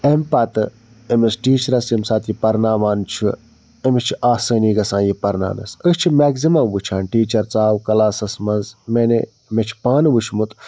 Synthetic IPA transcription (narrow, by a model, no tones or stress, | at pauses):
empɐt̪ɨ | emesʈiːt͡ʃɐɾɐsimsaːt̪ʰjipɐɾnaːmaːnt͡ʃʰu | emit͡ʃʰiʔaːsəːniːɡɐsãːjipɐɾna̰ːnɐ̰səst͡ʃʰimeːɡzimɐmʋut͡ʃʰaːnʈiːt͡ʃɐɾt͡saːwkɐlaːsɐsmɐnzmene | met͡ʃʰi̥paːnʋut͡ʃʰmut̪